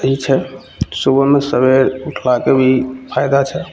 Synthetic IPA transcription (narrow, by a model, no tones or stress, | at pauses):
it͡ʃʰɛ | subəmesəbeɾuʈʰlakebʱipʰajd̪at͡ʃʰɛ